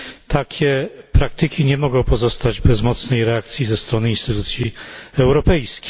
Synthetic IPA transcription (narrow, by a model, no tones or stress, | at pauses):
t̪akʲʰɛpɾak̚t̪ɘkʲiɲɛmɔɡɔ̃w̃pɔzɔst̪ad͡ʑbɛzmɔt̪snɛjɾɛak̚t̪sʲjizɛst̪ɾɔnɘinst̪ɘt̪ut̪sʲjiɛwɾɔpɛjskʲi̥